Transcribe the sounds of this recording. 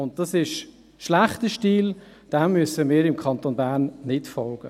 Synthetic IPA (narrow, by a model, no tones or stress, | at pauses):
ʊnt̚d̥ɑsɪʃ | ʃlæχtəʃtiːl | d̥ammyəsəmiːɾɪmkʰɑnt̪onbæːɾnːɪtfɔlɡ̥ə